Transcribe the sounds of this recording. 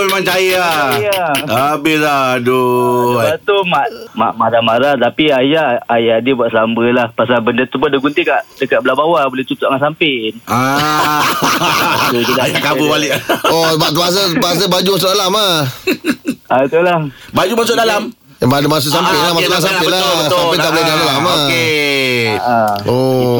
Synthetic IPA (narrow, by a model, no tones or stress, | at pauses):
memaŋt͡ʃajəaaabɪhladuəbat̪umaʔma̰ʔmaɾamaɾat̪apiajaajadibuaʔsambəlahpasalbəndət̪upʊndəɡunt̪ikaʔdəkaʔ̚bəlabawabolɛht͡ʃ̪ut̪uʔaŋansampɪna | tudiajakabubalɪʔɔbaʔt̪əas̬əbas̬əbad͡ʒumas̬ʊʔdalama | at̪ulahbad͡ʒumasʊʔdalam | badəmas̬ʊʔsampɪnlamasʊʔas̬ampɪlasampɪnt̪aʔbolɛdalamake | ʔaɔ